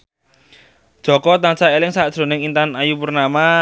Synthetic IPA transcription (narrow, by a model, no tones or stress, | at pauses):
d̥ʒ̥ɔ̤kɔt̪ansaelɪŋsaʔd̥ʒ̥ɾo̤nɪŋint̪anajupərnama